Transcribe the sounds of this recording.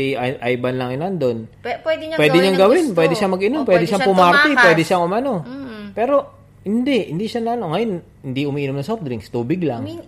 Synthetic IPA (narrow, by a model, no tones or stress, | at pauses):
iʔʔajbɐnlɐŋjnɐnd̪o̞npwɛd̪pwɛːd̪ɪɲaŋɡɐwɪnpwɛːd̪ɪʃamɐɡʔɪnompwɛd̪ɪʃaŋpʊmaɾt̪ɪpwɛd̪ɪʃaŋʊmɐno̞pɛːɾo̞ | hɪnd̪ɛʔhɪ̰nd̪iʃanɐɐno̞ŋɐjon | hɪnd̪iʔʊmiːʔinomnɐsof̚d̪ɾiŋst̪uːbɪɡlɐŋ